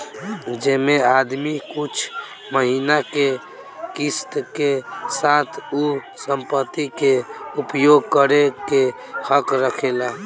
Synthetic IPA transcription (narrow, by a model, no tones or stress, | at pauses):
d͡ʒemead̪mikut͡ʃʰ | məɦinake | kist̪kesat̪ʰu | səmpət̪ːikeupjoɡ̚kəɾeke | həkɾəkʰela